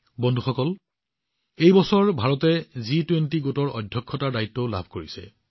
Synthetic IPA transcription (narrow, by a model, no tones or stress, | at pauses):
bɔndʱuxɔkɔl | ejbɔsɔɹbʱaɹɔtɛzitwentiɡotɔɹɔ̰dʱjɔkʰːɔtaɹdajitːɔla̰bʱkoɹisɛ̰